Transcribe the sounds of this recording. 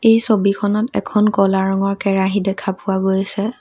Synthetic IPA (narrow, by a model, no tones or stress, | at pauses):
ejsobikʰɔnɔtɛ̰kʰɔnkɔlaɹɔŋɔɹkɛɹaɦidɛkʰapʊaɡojsɛ